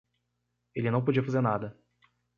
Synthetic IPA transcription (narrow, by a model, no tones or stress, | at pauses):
elɪnɐ̃w̃pod͡ʒiɐfazeɾnad̪ɐ